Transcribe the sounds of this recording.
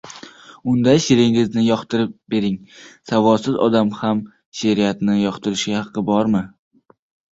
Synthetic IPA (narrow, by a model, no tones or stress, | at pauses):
ʊnd̪aʃeɾɪŋɪznɪjɒqt̪ɪɾɪp̚be̞ɾɪŋsavɒsɪzɒ̰d̪amham | ʃeɾijat̪nɪjɒqt̪ʰɪɾɪʃɪhɑqʰːɨbɒɾmɪ